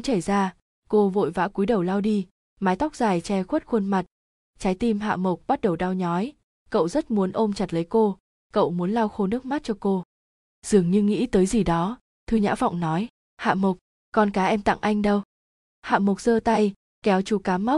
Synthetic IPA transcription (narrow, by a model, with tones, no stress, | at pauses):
ŋ͡mt͡ɕə˧˩jzaː˧ | ko˧vo̰˧˨jva̰ː˧˥ku˨˦jɗə˨˩wlaː˧wɗi˧ | maː˨˦jt̪a˦˥k͡p̚z̥aː˨˩jt͡ɕɛ˧xwe˦˥t̚xwə˧nma˨˩t̚ | t͡ɕaː˨˦jt̪i˧mɦa̰ː˧˨mə˨˩wk͡p̚ɓa˦˥t̚ɗə˨˩wɗa˧wɲɔ˨˦j | kə̰˧˨wzə˦˥t̚mu˨˦ənʔo˧mt͡ɕa˨˩t̚lə˨˦jko˧ | kə̰˧˨wmu˨˦ənlaː˧wxo˧nɨ˦˥ək̚ma˦˥t̚t͡ɕɔ˧ko˧ | z̥ɨ˨˩əŋɲɨ˧ŋḭ˧˥t̪əː˨˦jzi˨˩ɗɔ˨˦ | t̪ʰɨ˧ɲa̰ː˧˥v̰wŋ͡mnɔ˨˦j | ha̰ː˧˨mə˨˩k͡p̚ | kɔ˧nkaː˨˦ʔɛ˧mt̪a̰˧˨ŋʔa˧jŋ̟ɗə˧w | ha̰ː˧˨mo˨˩k͡p̚z̥əː˧t̪a˧j | kɛ˨˦wt͡ɕu˨˩kaː˨˦mːa˦˥wk͡p̚